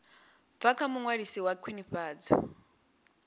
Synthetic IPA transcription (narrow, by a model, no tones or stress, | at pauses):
bfakʰamuŋwaɺisiwakʰwiniɸaːd͡zɔ̰